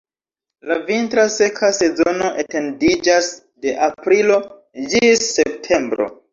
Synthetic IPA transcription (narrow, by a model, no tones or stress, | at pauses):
lavintɾase̞kʰase̞zo̞no̞ʔete̞ndid͡ʒas | de̞ʔapɾilo̞ | d͡ʒisːe̞p̚tʰe̞mbɾo̞̰